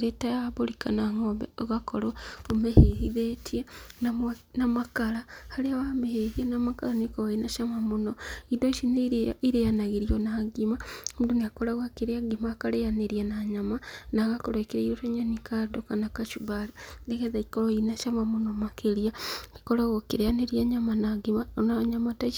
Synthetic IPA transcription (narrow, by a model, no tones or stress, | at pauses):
ɾetajaβolikanaŋoɣakʰoɾoomeheiðetʰienanamakalahaleawamehehianamakalanikoβainaʃamamunoidoiʃiniɾejanaɣiɾionaɡimamuduniakolaɣakiɾeaɡimakalejaneɾjanaɲamanaɣakoɾekiɾeiɾotoɲanikadokanakaʃuβallekeðakikoloinaʃamamunomakeɾiaki̥kolaɣokiɾejaneɾijaɲamanaɡimanaɲamataʃ